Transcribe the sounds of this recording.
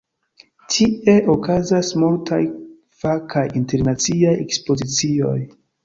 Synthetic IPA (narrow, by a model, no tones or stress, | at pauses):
tʰie̞ʔokazasmultaj | fakʰajinte̞ɾnat͡siajḛkspo̞zit͡sio̞̰j